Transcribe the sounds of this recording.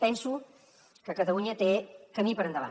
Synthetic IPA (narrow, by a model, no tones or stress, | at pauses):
pɛnsu | kəkət̪əluɲət̪ekəmipəɾənd̪əβa̰